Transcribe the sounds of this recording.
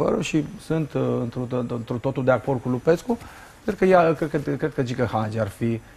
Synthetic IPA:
və̰ɾṵʃisɨnt̪ɨnt̪ɾunt̪ɾut̪o̞t̪uld̪eako̞rd̪̚kulupe̞sku | kɾet̪ɾukəjaked̪kəkɾe̥kəd͡ʒikəhad͡ʒiarfi

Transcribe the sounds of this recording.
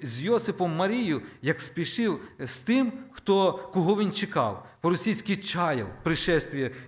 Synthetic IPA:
zʲjɔsɪpɔmːɐɾʲijʊjɐkspʲiʃɪwst̪ɪmxt̪ɔkɔɦɔʋʲint͡ʃekɑ̰wpɔɾɔsʲijsʲkʲit͡ʃɑjɐ̰wpɾɪʃɛst̪ʋʲiɐ

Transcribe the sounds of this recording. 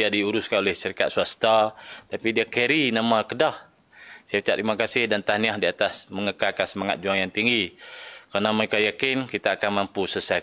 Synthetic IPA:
iadiuɾʊskanolɛhsəɾikat̪̚suast̪at̪apidiakeɾinamakədah | siapit͡ʃa̰t̪imakasɪhdant̪aniahdiat̪asməŋəkakansəmaŋa̰t̪̚d͡ʒuaŋjaŋt̪iŋɡikanamaikajakɪnkit̪aːkanmampusəsa

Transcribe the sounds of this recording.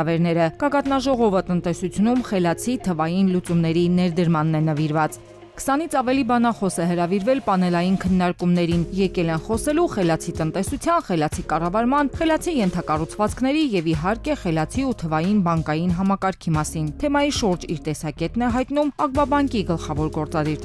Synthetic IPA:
vɛɾnɛɾəɡ̥ɑɡɑt̪nɑʒɔʁɔvət̪ənt̪ɛsut͡sʰjunumχɛlɑt͡sʰit̪ʰəvɑjinlut͡sumnɛɾinɛɾd̪əɾmɑnːɛnəviɾvɑt͡s | kʰsɑn̪it͡sʰɑvɛlibɑnɑχɔsɛɦəɾɑviɾvɛlpɑnɛlɑjinkʰənːɑɾkumnɛɾinjɛkɛlɛnχɔsɛluχɛlɑt͡sʰit̪ən̪t̪ɛsut͡sʰjɑnχɛlɑt͡sʰikɑrɑvɑɾmɑnχɛlɑt͡sʰijɛnt̪ʰɑkɑrut͡sʰvɑt͡skʰnɛɾijɛviɦɑɾkɛχɛlɑt͡sʰiut̪ʰəvɑjinbɑŋkɑjinɦɑmɑkɑɾkʰimɑsint̪ʰɛmɑjiʃuɾd͡ʒiɾt̪ɛsɑkɛt̪nɛɦɑjt̪n̪umɑk̚bɑbɑŋkiɡəlχɑvɔɾɡɔɾt͡sɑd̪iɾ

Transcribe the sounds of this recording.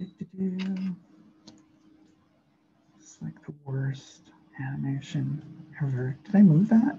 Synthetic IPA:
ɪɡ̚tʰɨdɨ | slaɪk̚ðəwɜ˞st | ænɨmeɪʃɨ̃nɛvə˞d̥ɨɾaɪmuvðæt̚

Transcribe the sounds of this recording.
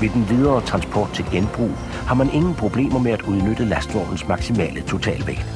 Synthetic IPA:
ʋe̝d̥enʋið̞ˠɐːt͡sʰʁɑ̈nsb̥ʰɒ̰ːd̥̚t͡sʰe̝lɡ̥enb̥ʁṵː | hɑ̈mænʔe̝ŋn̩pʰʁo̝b̥le̝̰ːmɐmeæd̥uð̞ˠnød̥əlæsd̥ɒ̰d̥n̩smɑ̈ɡ̥simɛ̰ːlət͡sʰo̝t͡sʰɛ̰ːlʋḛɡ̥

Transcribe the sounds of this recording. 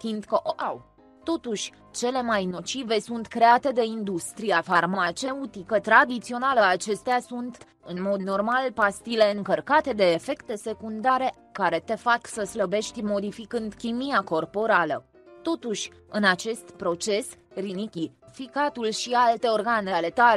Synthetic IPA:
find̪kəʔoʔaw | t̪o̞t̪uʃʲ | t͡ʃe̞le̞majno̞t͡ʃive̞sunt̪kɾe̞at̪e̞d̪e̞ind̪ust̪ɾiafarmat͡ʃe̞ut̪ikət̪ɾad̪it̪sio̞naləat͡ʃe̞st̪easunt̪ | ɨnmo̞d̪no̞rmalpast̪ile̞ɨŋkərkat̪e̞d̪e̞ːfe̞kt̪e̞se̞kund̪aɾe̞ | kaɾe̞t̪e̞faksəsləbe̞ʃt̪ʲmo̞d̪ifikɨnd̪kʲimijako̞rpo̞ɾalə | t̪o̞t̪uʃʲ | ɨnat͡ʃe̞st̪pɾo̞t͡ʃe̞srinikʲifikat̪ulʃialt̪e̞o̞rɡane̞ale̞t̪ale

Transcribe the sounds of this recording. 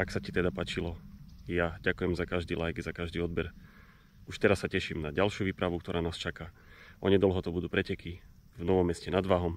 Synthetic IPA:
aksacit̪ɛd̪apaːt͡ʃilɔjaɟakujɛmzakaʒd̪iːlajɡzakaʒd̪iːɔd̪bɛɾ | uʃt̪ɛɾasːacɛʃimnaɟalʃjuʋiːpɾaʋukt̪ɔɾʔaːnaːst͡ʃaka | ʔɔɲɛd̪ɔlɦɔt̪ɔbud̪uːpɾɛcɛkʰi | vnɔʋɔmːɛscɛnad̪ʋaːɦɔm

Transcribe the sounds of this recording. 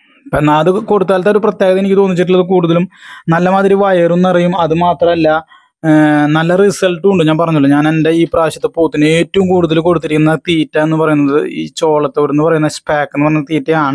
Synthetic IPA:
pɐnːɐɐðɨko̞ɽut̪ːaːlt̪eoɾuprɐt̪jeːɡɣɐt̪enikʲːɨt̪o̞ːnːit͡ɕːiʈ̬ːulːɐðɨkuːɽuðɐlumnɐlːɐmaːðiɾiʋaːjɐɾunːɐrijumɐðɨmaːt̪rɐmɐlːɐ | nɐlːɐrisɐlʈːuɳɖɨɲaːnpɐrɐɲːuɭːoɲaːne̞nde̞iːpraːɕɐt̪ːɨpoːt̪ːineːtːɐʋumkuːɽuðɐlumko̞ɽut̪ːiɾikʲːunːɐt̪iːtːaenːɨpɐrɐjunːɐðɨḭːt͡ɕo̞ːɭɐt̪ːoʋɾunːɨpɐrɐjunːɐspaːkːenːɨpɐrɐuɲnːɐɐt̪iːtːejaːɳɨ

